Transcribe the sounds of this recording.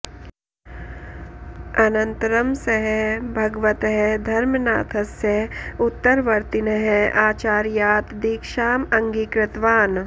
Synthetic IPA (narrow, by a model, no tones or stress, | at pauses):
ɐnɐ̃nt̪ɾɐmsɐɦɛbʱɐɡʋɐt̪ɦɛd̪ʱɐɾmna̰ːt̪ʰɐsjɐʊt̪ːəɾʋɐɾt̪inɐɦɛʔaːt͡ʃaːɾjaːt̪d̪iːkʃaːmɐ̃ŋɡiːkɾɪt̪ʋaːn